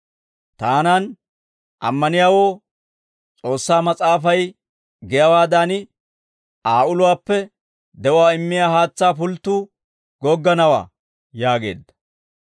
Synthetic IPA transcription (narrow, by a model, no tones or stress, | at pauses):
t̪aːnɐn | ʔɐ̰mːɐnɪjaːwoː | t͡sʼo̞ːsːaːmɐt͡sʼaːfɐj | ɡɛjɐwaːd̪anɪ | ʔaːʊlʊwaːpːɛ | d̪ɛwʊaːɪmːɪjaːhaːt͡sːaːpʊlt̪ːuː | ɡɔɡːɐnɐwa̰ː | jaːɡe̞̰ːd̪ːɐ̥